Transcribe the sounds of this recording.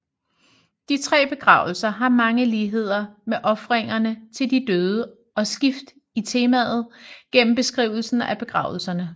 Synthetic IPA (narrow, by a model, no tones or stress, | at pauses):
d̥it͡sʰʁɛ̰ːb̥e̝ɡ̥ʁɑ̈ːʊl̩sɐɦɑ̈mɑ̈ŋəliːɦe̝ð̞̰ˠɐmeʔɒ̽fʁeŋ̰ɐnət͡sʰe̝ld̥id̥øːð̞ˠə | ɒ̽sɡ̥ifd̥ | it͡sʰe̝ːmæðˠð̞̩ˠɡ̥en̰m̩b̥e̝sɡ̥ʁḭʊl̩sn̩æb̥e̝ɡ̥ʁɑ̈ʊl̩sɐnə